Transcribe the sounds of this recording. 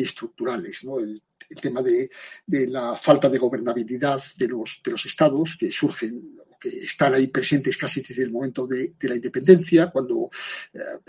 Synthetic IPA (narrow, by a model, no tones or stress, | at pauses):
est̪ɾuk̚t̪uɾale̞znoel | elt̪e̞maðed̪elafalt̪aðe̞ɣ̞o̞β̞e̞ɾnaβ̞iliðaððelosðelo̞se̞st̪aðo̞ske̞suɾxe̞nokḛːst̪anaipɾe̞sẽ̞nt̪e̞skasiðezðelmoment̪oðed̪e̞laind̪epe̞nd̪e̞nθjakwand̪o